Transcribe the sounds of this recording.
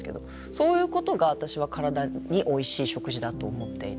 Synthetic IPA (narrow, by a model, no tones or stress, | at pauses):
ke̞d̪o̞ | so̞ːjɯ̟ːko̞t̪o̞ɡaβ̞at̪aɕiβ̞akaɾad̪aɲ̟iʔo̞iɕiːɕo̞kɯ̟ʑid̪at̪o̞ːmo̞t̪ːe̞̰i